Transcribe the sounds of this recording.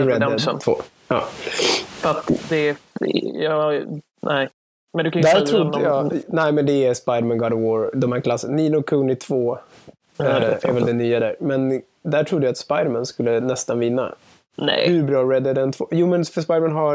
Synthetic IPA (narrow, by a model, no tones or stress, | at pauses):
ɾɛd̪ɛvo̰ː | ɑ̰ː | fat̪d̪ɛ | jɑ | nɛɪ | mɛnd̪ʉkʰand̪æːɾʰɾʊd̪jɑːnɛɪmɛnd̪ɛæɾspajd̪əɾmɛnɡɑd̪əwoːɾd̪ɔmhæːɾkʰlasːənniːnʊkʰɵnɪt̪ʰvoː | æ̰ɾvɛld̪ɛnyːad̪æɾmɛn | d̪æʈʰɾʊd̪ːjat̪spajd̪əɾmɛnskɵlːənɛst̪anvɪnːa̰ | nɛ̰hʉɾbɾɑːɾɛd̪əd̪ɛnt̪ʰvo̰ːjuːmɛnfəspajd̪ɾmɛnɦa